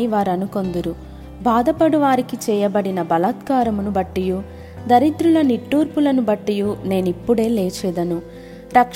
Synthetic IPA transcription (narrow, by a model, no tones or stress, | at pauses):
iʋaːɾɐnuko̞nd̪uɾu | baːd̪ɐpɐɽuʋaːɾikit͡ʃɛːjɐbɐɽinɐbɐlɐt̪kaːɾɐmunubɐʈːiju | d̪ɐɾit̪ɾulɐniʈːuːɾpulɐnubɐʈːijune̞ːnipːuɽe̞ːleːt͡ʃɛːd̪ɐnu | ɾɐkʂ